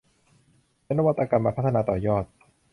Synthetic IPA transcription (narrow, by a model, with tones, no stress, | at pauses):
e˦˥nːa˦wa˥t̪ʰːa˧ka˧mːaː˧pʰa˦t̪ʰːa˧naː˧t̪ɔː˨˩jɔː˥˩t̪̚